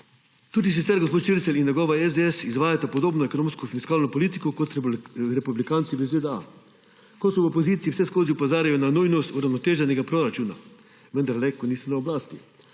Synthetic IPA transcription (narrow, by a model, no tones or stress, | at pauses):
t̪uːd̪is̬it̪sɛɾɡospoːt̪t͡ʃiɾsɛlinjɛɡɔːʋaɛzd̪eɛsizʋaːjat̪apod̪oːbnɔekonõːmskɔfiskaːlnɔpoliːt̪ikɔkot̪ɾɛpublikaːnt̪siʋəzʋeːd̪ɛa̰ | kosɔopoziːt̪siiwsɛskoːziupozaːɾajɔnanujnɔst̪uɾawnɔt̪eːʒɛnɛɡapɾoɾat͡ʃuːna̰ | ʋənd̪aɾlɛkɔniːsɔnaoblaːst̪ḭ